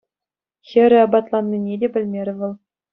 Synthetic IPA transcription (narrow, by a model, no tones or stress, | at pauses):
xʲɘ̆ɾʲɘ̆ɑbɑt̪lˠɑnʲːinʲedʲebʲɘ̆lʲmʲeɾʲɘ̆ʋɤ̆lˠ